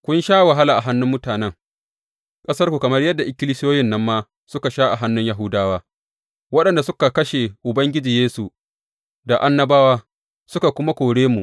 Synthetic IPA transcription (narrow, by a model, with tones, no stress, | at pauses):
kʷʊ˦nʃaː˦wa˨ɦa˦la˨ʔa˨ɦa˦nːʊ˦mːʊ˦taː˨nɛ˦ŋ | kʼɐ˦sɐ˦rkʷu˨kɐ˨mɐ˦rjɐ˦dːa˨ʔɪ˦kʲɪ˦lɪ˦sɪ˦joː˦jɪ˦˨nːɐ˦mːaː˦ | sʊ˦ka˨ʃaː˦ʔa˨ɦa˦nːʊ˦ɲja˨ɦʊ˦daː˦waː˦ | wɐ˦ɗɐ˨nda˨sʊ˦ka˨kɐ˦ʃe˨ʔʊ˨bɐ˦ŋɡʲɪ˦d͡ʒiː˨jeː˦su˨ | da˨ʔa˦nːɐ˦baː˦waː˦ | sʊ˦ka˨kʷʊ˦ma˦kʷoː˨ɽeː˦mu˨ʔ